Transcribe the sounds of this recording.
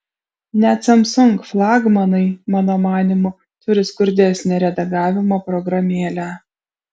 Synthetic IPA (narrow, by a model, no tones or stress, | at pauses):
nʲæːt̪ʲsʲɐmsʊŋkflˠɑːɡmɐnɐɪmɑːnoːmɑːnʲɪmʊ | t̪ʊɾʲɪskʊɾʲd̪ʲɛsʲnʲɛɾʲɛd̪ɐɡɑːʋʲɪmɐpɾɔɡɾɐmʲiɛlʲæː